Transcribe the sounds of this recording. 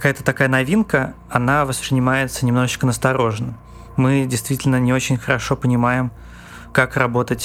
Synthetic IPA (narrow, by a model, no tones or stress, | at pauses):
kɐkajət̪ət̪ɐkajənɐvʲinkə | ɐnavəspɾʲɪnʲɪmajɪt̪sənʲɪmno̞ʐɨt͡ɕkənəst̪ɐɾo̞ʐnə | mɨdʲɪjst̪vʲitʲɪlʲnənʲɪo̞t͡ɕɪnʲxəɾɐʂo̞pənʲɪmajɪm | kakrɐbo̞t̪ətʲ